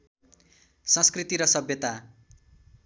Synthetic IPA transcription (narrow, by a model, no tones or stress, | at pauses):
sʌ̃skrit̪iɾʌsʌbjʌt̪a